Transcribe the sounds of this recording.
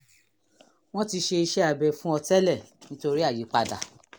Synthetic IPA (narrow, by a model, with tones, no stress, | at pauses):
w̃ɔ̃˦ti˧ʃe˧i˧ʃɛ˦a˨bɛ˨fũ˦ɔ˧tɛ˦lɛ˦˨nĩ˦to˧ɾi˦a˦˨ji˨˦k͡pa˧da̰˨